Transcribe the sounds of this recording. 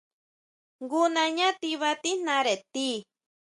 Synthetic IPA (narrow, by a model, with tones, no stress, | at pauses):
ŋɡu˦nã˧ɲã˦t̪i˧βa˧t̪i˦n̥ã˧ɾe˨t̪i˦